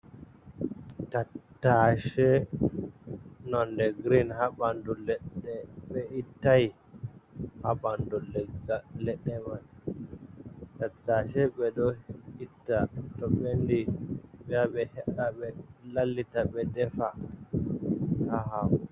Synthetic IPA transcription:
tatːaʃɛ | nɔndɛɡɾinhabandulɛɗɛɓɛitːaj | haɓandulɛɡalɛɗːɛman | tatːaʃɛɓɛɗɔitːatɔɓendiɓɛaɓɛhɛɗaɓɛlalːitaɓɛdɛfa | haɦaw

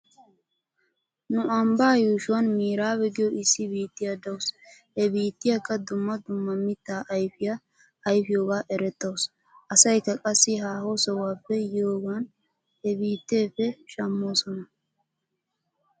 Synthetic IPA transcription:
nʊʔɐmbaːjuːʃʊwɐnmiːɾaːbɛɡɪjɔɪsːɪbiːt̪ːɪjad̪ɐwshɛbiːt̪ːɪjɐkːɐd̪ʊmːɐd̪ʊmːɐmɪt̪ːaːʔɐjfɪjɐ | ɐjfɪjoːɡaːʔɛɾɛt̪ːɐws | ʔɐsɐjkːɐkʼɐsːɪɦaːhosɔwaːpːɛjoːɡaːn | hɛbiːt̪ːeːfːɛʃɐmːoːsɔnɐ

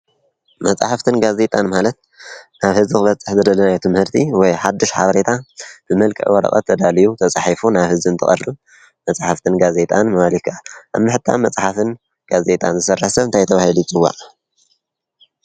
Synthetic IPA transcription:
mɐt͡sʼaħaft̪ʰɨnɡaze̞t̪ʼanmalɐt̪ | naβhɨzikɨβɐt͡sʼːɨħzɨd̪ɐlɐnajt̪ʰɨmhɨɾt̪ʰiwɔjħad̪ːɨʃħa̰βɐɾe̞t̪ʰab̥ɨmɐlkʼɨ̰ʔwɔɾɐ̰χʼɐ̰t̪ʰːɐd̪alijut̪ʰɐt͡sʼaħifunaβhɨzɨɨnt̪ʰɨχʼɐ̰rːɨβ | mɐt͡sʼaħaft̪ʰɨnɡaze̞t̪ʼanmɐβalikʰʔaʔa̰βmɨħɨt̪ʰːa̰mɐt͡sʼħafɨn | ɡ̥aze̞t̪ʼanzɨsɐrːɨħsɐβɨnt̪ʰajt̪ʰɐβahilujit͡sʼɨwːa̰ʔ

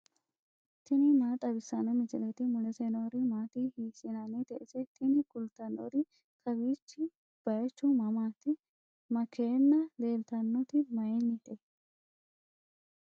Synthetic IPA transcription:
t̪ɪnɪnat̪ʼɐbɪsːɐnɐmɪsɪlɛt̪ɪmʊlɛsɛnoːɾɪmaːt̪ɪhiːsɪnanɛt̪ɛʔɪsɛt̪ɪnɪkʊlt̪ɐnːo̰d̪ɪ | k̪ʰʼɐbiːt͡ʃːɪ | b̥ɐjɛt͡ʃːʊmɐmaːt̪ɪ | mɐkːeːnːɐleːlt̪ɐnːɔt̪ɪmɐjɛnːɪt̪ɛ

